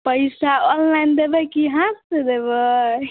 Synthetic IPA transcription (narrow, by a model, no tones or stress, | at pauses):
pəjsaɔnlajnd̪ebekiɦãsed̪ebə